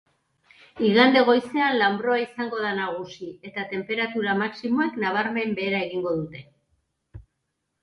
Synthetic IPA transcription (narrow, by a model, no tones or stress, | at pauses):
iɣand̪e̞ɣ̞o̞jse̞anlambɾo̞aisaŋɡo̞ðanaɣ̞usie̞t̪at̪e̞mpe̞ɾat̪uɾamaksimo̞eknaβ̞aɾme̞mbe̞ːɾae̞ɣiŋɡo̞ðut̪e̞